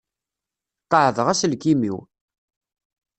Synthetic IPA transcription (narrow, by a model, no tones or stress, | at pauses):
q̪əʕðəʁæslkimḭw